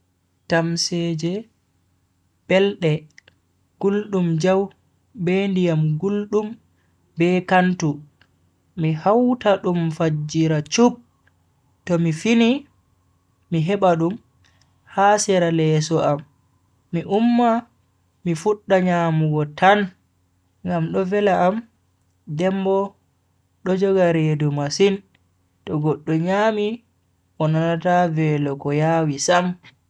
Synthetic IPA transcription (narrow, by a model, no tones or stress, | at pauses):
tamsed͡ʒɛ | b̥ɛlɗɛ | ɡ̥ulɗumd͡ʒaw | bendijamɡulɗum | bɛkantu | mihawtaɗumfad͡ʒiɾat͡ʃup̚ | tɔmifini | miɦɛɓaɗum | hasɛɾalɛsɔʔamː | iʔumːa | mifuɗːaɲaːmuɡɔtʰan | ŋɡamɗɔvɛlaʔːm | dɛmbɔ | ɗɔd͡ʒɔɡaɾedumasin | tɔɡɔɗːɔɲaːmi | ɔnanatavɛlɔɡɔjawisam